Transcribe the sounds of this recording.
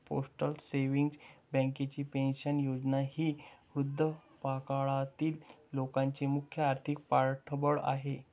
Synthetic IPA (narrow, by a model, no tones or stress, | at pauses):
po̰sʈəlseʋiŋɡsbə̃ŋket͡ɕiːpẽnɕənjod͡znahiːud̪ʱːə | pakaɭat̪iːlːokãɲt͡ɕemukʰjəaɾt̪ʰik̚paɾʈʰəbəɭa̰ɦe